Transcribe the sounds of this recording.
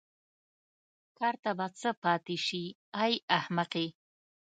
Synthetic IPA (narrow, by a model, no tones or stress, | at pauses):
kɑːɾt̪abat͡səpɑt̪eʃi | ajahmaqe